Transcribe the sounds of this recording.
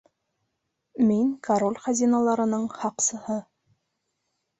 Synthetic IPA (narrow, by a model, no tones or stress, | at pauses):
miŋkɐɾolʲχɑzʲinɑlˠɑɾɤ̆nɤɴhɑqsɤ̆hɤ